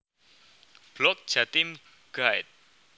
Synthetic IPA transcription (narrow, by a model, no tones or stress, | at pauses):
b̥lɔk̚ʒ̥at̪ɪm | ɡ̥ajt̪̚